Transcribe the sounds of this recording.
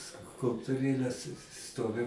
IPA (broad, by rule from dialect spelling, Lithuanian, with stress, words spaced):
skʊlˠptʊˈrʲeːlʲɛs ˈstoːʋʲɪ